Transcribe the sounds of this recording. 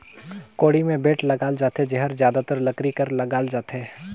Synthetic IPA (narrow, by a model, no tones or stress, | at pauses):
koːɽimẽbeːʈlɐɡaːld͡ʒaːt̪ed͡ʒeɦəɾzjaːd̪at̪əɾlɐkɾikɐɾlɐɡaːld͡ʒaːt̪eː